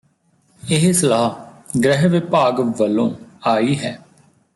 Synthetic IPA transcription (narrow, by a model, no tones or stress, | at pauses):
ɪɦsəlaːɦɡɾɛɦʋɪpaːɡʋəlːõ̰ːaːiːɦɛː